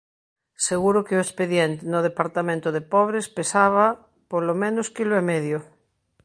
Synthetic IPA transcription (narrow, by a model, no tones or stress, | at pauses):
seɣuɾokeoespeðjent̪enoð̞epaɾt̪amẽnt̪oðepɔβ̞ɾespesaβa | polomẽnoskiloemɛðjo